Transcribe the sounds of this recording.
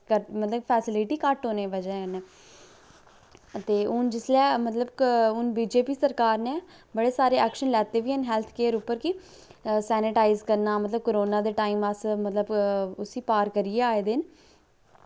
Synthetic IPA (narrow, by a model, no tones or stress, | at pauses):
kəɾmət̪ləbpʰɛːsɪlɪʈiːkəʈoːneːʋəd͡ʒɛneː | ət̪eːʊnd͡ʒɪslɛːmət̪ləbʊnbiːd͡ʒeːpiːsəɾkaːɾnẽː | bəɽeːsaːɾeːɛːkʃənlɛːt̪eːʋiːənɦɛːlt̪ʰkeːəɾʊpːəɾkɪ | sɛːnɪʈaːizkəɾnaːmət̪ləb̚koɾoːnãːd̪eːʈaːiːmasmət̪ləbʊsiːpaːɾkəɾiːeːaːeːd̪ɪn